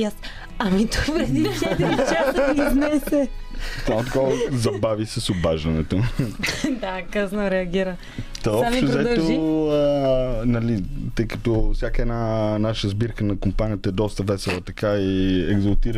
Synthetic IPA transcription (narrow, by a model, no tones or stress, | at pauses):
ias | ɐmit̪ɔvɛd̪iɛd̪it͡ʃat̪ɐiznɛsɛsamot̪ɐkɔzɐbavisɛsʊbaʒd̪ɐnɛt̪o | d̪akəznoɾɛɐɡʲiɾə | t̪ɔɛɔpʃt̪ozɛt̪oənɐlit̪əjkət̪ɔfsʲjakəɛd̪nanaʃəəzbiɾkənɐkʊmpanijət̪əɛd̪ɔst̪əvɛsɛlˠət̪ɐkaiɛɡzɐlˠt̪iɾ